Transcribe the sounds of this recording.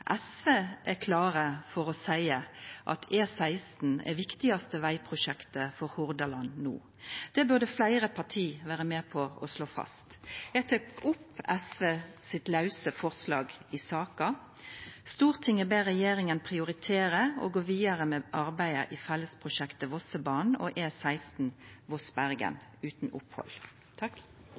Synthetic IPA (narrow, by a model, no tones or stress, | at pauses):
ʔɛsʋeːʔækʰlɑːʁəfɔʁɔsæɪəʔɑ̰t̪ʰeːsæɪst̪n̩ɛ̰ʋɪkt̪ɪɑst̪əʋæɪpʰʁʊʃɛkt̪əfɔɾhʊʁd̪ɑlɑnnṵː | d̪̥ɛbʉʁd̪əflæɪʁəpʰɑʁʈʰiːʋæːʁəmeːpʰɔɔ̰sloːfɑ̰st̪jæɡt̪ʰuːkʊpːɛsʋeːsɪt̪lɑʉsəfɔʁslɑ̰ːɡɪsɑːkɑ | st̪uːʁt̪ʰɪŋəbeːʁɛjeːɾɪŋənpʰʁɪʊʁɪt̪ʰeːʁəo̰ːɡoːʋiːɑʁəmɛʔɑʁbæɪə̰ʔifɛlːəspʰʁʊʃɛkt̪əʋɔsəbɑːn̩ɔ̰ːʔeːsæɪst̪n̩ʋɔsbæʁɡə̰nʉːt̪n̩ʊ̰phɔ̰l | t̪ʰɑ